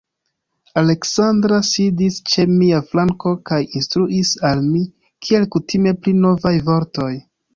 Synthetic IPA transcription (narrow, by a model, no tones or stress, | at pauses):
ale̞ksandɾasidist͡ʃe̞miaflaŋko̞kajinstɾuʔisalmi | kʰie̞lkutʰime̞plino̞vajvo̞ɾto̞j